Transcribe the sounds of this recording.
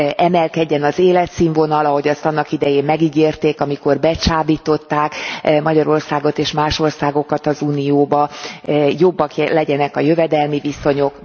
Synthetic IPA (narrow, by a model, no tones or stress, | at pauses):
ʔɛmɛlkɛɟːɛnɒzeːlɛt̪siːɱvo̞nɒlɒɦo̞ɟɒst̪ɒnːɒkid̪ɛjeːmmɛɡiɡeːrt̪eːkɒmiko̞rbɛt͡ʃaːbiːt̪o̞t̪ːaːkmɒɟɒɾo̞rsaːɡo̞t̪eːʃmaːʃo̞rsaːɡo̞kɒt̪ɒzuːnijoːbɒ | jobːɒkjlɛɟɛnɛkɒjøvɛd̪ɛlmiviso̞ɲo̞k